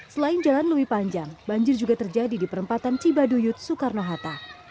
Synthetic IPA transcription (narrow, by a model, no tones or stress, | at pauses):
səlaɪnd͡ʒalanləwihpaɲd͡ʒaŋbaɲd͡ʒɪrd͡ʒuɡat̪ərd͡ʒadidipəɾəmpat̪ant͡ʃibadujʊt̪̚sukarnoɦat̪a